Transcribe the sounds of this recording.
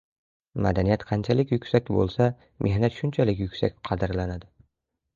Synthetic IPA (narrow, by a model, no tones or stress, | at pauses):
ma̰d̪anijat̪qʰɑnt͡ʃʰalɪkʲjʊkʲsakʲbo̰lˠsa | mʔe̞hnat̪ʃʊnt͡ʃʰalɪkʲjʊkʲsakʲqʰɑd̪ɪɾlanad̪ɪ